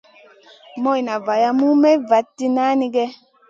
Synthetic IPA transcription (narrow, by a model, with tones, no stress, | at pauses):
mɔ˦jna˨va˨ja˦mu˦mɛ˦va˨˦tːi˦na˦ni˦ɡɛ˦